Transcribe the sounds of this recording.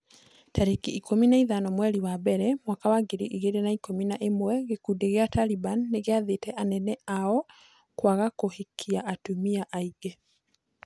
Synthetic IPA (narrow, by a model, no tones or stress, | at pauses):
tʰaɾekiikominaiðanɔmwɛɾiwabɛɾɛmwakawaɡeɾiʔiɣeɾenaikominaʔemwɛɣekudeɣeatalibanːeɣeaðetɛʔanɛnɛaɔ | kwaɣakohekʰiaʔːtumiaʔaiɡɛ